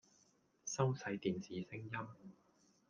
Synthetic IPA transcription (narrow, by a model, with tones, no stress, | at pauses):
sɐ˥wsɐ˧jt̪iː˨nsiː˨sɪ˥ŋjɐ˥m